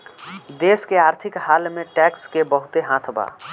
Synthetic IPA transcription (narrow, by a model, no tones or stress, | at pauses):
d̪eːskeaːɾt̪ʰɪkɦaːlmẽʈɛkskebəɦʊt̪eɦãt̪ʰba̰ː